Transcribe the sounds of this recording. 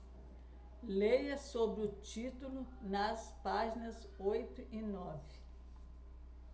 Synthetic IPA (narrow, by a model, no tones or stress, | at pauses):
lejɐsobɾɪʊt͡ʃit̪ulʊnɐspaʒinɐz | ojt̪ʊinɔvɪ